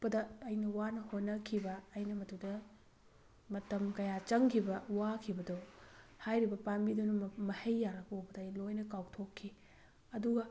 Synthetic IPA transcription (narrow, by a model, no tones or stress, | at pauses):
pɐdɐːjnɐwanɐhonːɐkʰibɐːjnɐmɐtudɐ | mɐtɐmkɐjat͡ʃɐŋkʰibɐwakʰibɐdohajɾibɐpambidunumɐhejːaɾɐkowbɐdɐːjlojnɐkawtʰokʰːi | ɐduɡɐ